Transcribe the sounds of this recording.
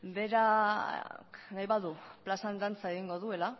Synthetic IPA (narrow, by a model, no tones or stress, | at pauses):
be̞ɾa | knajβaðuplasand̪ant͡sae̞ɣiŋɡo̞ðue̞la